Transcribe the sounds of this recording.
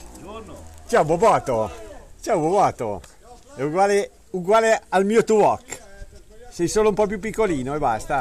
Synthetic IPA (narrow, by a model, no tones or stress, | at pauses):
t͡ʃawbobɔːt̪ot͡ʃawbobɔːt̪o̰ | ɛuɡwaːle | uɡwaːlealmiːot̪uɔkː | sɛjsoːloumpɔp̬jup̬ːikːoliːnoebast̪a